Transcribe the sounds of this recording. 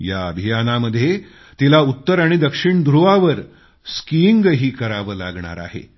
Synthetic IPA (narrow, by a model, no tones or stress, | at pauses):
jaəbʱijanaməd̪ʱje | t̪ilaut̪ːəɾaɽ̃id̪əkʂiɳd̪ɾuʋaʋəɾ | skiŋɡɦiːkəɾaʋəːla̰ɡɳa̰ɾa̰ɦḛ